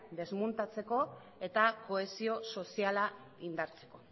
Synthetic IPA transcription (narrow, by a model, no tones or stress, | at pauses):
d̪e̞zmunt̪at͡se̞ko̞ | e̞t̪ako̞e̞sio̞so̞siala | ind̪aɾt͡se̞̥ko̞